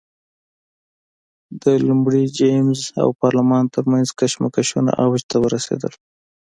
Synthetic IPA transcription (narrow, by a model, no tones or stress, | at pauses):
d̪əlumɽid͡ʒemza̰wpɑɾlamɑnt̪əɾmanzkaʃmakaʃuna̰ʔawd͡ʒt̪awəɾasḛd̪əl